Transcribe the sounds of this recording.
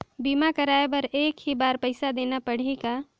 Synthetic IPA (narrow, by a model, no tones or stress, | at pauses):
biːmakɐɾaːebɐɾeːkɦibaːɾpɛɪsad̪eːnapɐɽ̤eka